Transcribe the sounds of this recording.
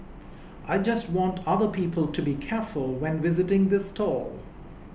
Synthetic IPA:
ʔaɪd͡ʒʌst̚wɑ̃ntʰʌðə˞pʰiːpəl̩ˠtʰɨbikʰɛɹfəlˠwɛ̃nvɪzɨtɪ̃ŋðɪstʰɔlˠ

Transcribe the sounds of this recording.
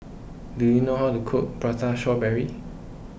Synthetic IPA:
dujunoɦawtukʰʊk̚pɹataʃɔbɛɹi

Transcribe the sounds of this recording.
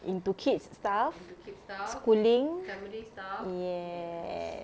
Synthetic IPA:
ʔĩntukʰitstafskulĩŋɛmlijɛ

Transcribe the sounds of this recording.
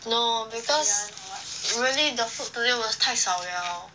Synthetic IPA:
nobikʰɔs | ɹilid̪əfut̚t̪udewɔstʰaɪsawa

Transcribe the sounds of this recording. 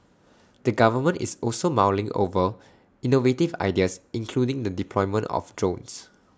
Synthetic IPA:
d̥əɡavəmə̃nʔḭsɔlsomawlɪ̃ŋʔo̰və | inovetiva̰jdiəsĩŋkʰludĩŋdədipʰlɔɪmə̃ntɔ̰fdɹõns

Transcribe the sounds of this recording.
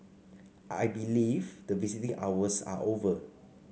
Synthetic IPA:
ʔa̰jbilivdəvisitĩʔawəsa̰ʔovə

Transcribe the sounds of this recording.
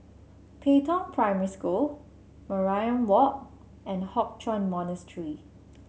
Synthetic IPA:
pʰetɔ̃npʰɹaɪmɛɹiskul | məɹajə̃nwɔk̚ | ɛ̃nhɔk̚t͡ʃɔ̃nmɔnəstʰɹi

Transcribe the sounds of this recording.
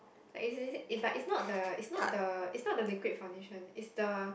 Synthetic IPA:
laɪkisiilaɪkitsnɔt̚dəitsnɔtdəitsnɔt̚dəlikwit̚fãw̃ndeʃə̃nitsdə

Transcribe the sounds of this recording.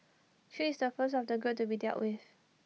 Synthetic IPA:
ʃiːsdəfəs̬tɔfdəɡutubidɛ̰lʔwʔɪð̥

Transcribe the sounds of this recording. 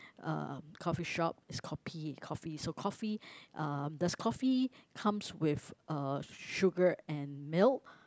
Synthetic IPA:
ʌ̰kʰɔfiʃɔp̚ɪskʰɔpʰikʰɔfisokʰɔfiʔʌmdəskʰɔfikʰãmswɪfʌʃʊɡəɹɛ̃nmɪl

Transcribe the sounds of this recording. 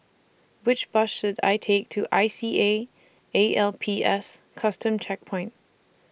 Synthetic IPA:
wɨt͡ʃb̥ʌʃɨɾa̰ɪtʰeɪk̚tʰɨʔa̰ɪsieɪ | eɪʔɛlˠpʰiɛskʰʌstɨ̃mt͡ʃʰɛk̚pʰɔ̃ɪ̃nt̚

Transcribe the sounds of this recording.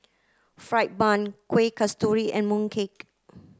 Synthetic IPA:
fɹajt̚bãnkʰwekʰastuɹiʔɛ̃nmũŋkʰek̚

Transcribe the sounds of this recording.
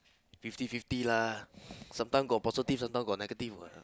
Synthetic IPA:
fift̪ifift̪ila | samt̪aŋɡɔpɔsit̪ifsamt̪aŋɡɔneɡat̪ifwa̰

